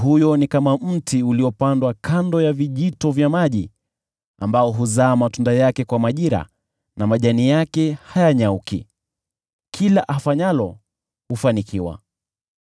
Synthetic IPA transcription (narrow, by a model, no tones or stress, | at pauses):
hujɔnikamam̩tiuliɔpandwakʰandɔjaviʄitɔvjamaʄi | a̰mbaɔɦuzaːmatundajakɛkwamaʄiɾa̰ | namaʄanijakɛhajaɲaukḭ | kʰilaʔafaɲalɔ | hufanikiwa̰